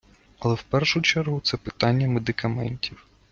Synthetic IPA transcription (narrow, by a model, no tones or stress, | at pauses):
ɐlˠɛwpɛrʃʊt͡ʃɛrɦʊt̪sɛpɪt̪ɑnʲːɐmed̪ɪkɐmɛnʲtʲiw